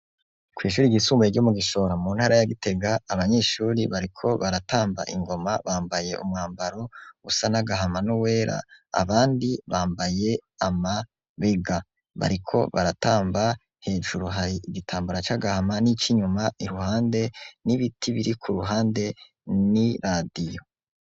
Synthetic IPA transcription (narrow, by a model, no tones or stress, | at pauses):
kwiːʃ̬uːɾiɡisuːmbaeɡɟo̞muɡiʃo̞ɾamuːnhaːɾajaɡite̞ɡaːβaɲe̞ːʃuːɾiβaɾikʰo̞βaɾataːmba̰ʔiŋɡo̞maβaːmbaje̞̰ʔṵmŋaːmbaɾo̞usanaɡaɦamanuwe̞ːɾa̰a̰βaːndiβaːmbaje̞ama | βeɡa | βa̰ɾikʰo̞̰βaɾataːmba | he̞ːʒuɾuɦaɾiiɡitʰaːmbuɾat͡ʃaɡahamanit͡ʃiɲumaiɾuhaːnde̞niβitʰiβiɾikʰuɾuɦaːnde̞ | niɾadijo̞